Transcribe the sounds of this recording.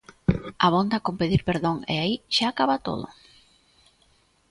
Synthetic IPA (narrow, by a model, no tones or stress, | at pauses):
aβ̞ond̪akompeðiɾpeɾðoŋḛaiʃaːkaβat̪o̰ð̞ʊ̰